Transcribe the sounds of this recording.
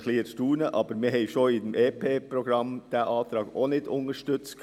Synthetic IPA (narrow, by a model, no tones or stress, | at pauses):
kʰliːəɾstuːɳəʔɑːbəɾmeːhɛɪʃoːiːd̪ɛmʔeːpʰeːpʰɾʊɡɾɑmd̪̥æːʔɑːt̪ʰɾɑːɡoːnɪt̪ʊ̰ŋəʂʈʉt̪sk